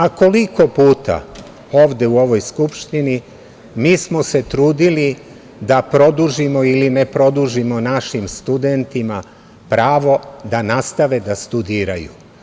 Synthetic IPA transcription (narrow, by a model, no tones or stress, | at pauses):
ako̞liko̞puːt̪a̰ | o̞ːʋd̪e̞uo̞ʋo̞jskupʃt̪ini | miːsmo̞se̞t̪ɾuːd̪ili | d̪apɾo̞d̪uʒimo̞iline̞pɾo̞d̪uʒimo̞naʃimst̪ud̪ent̪ima | pɾaːʋo̞d̪anast̪aʋe̞d̪ast̪ud̪iːɾaju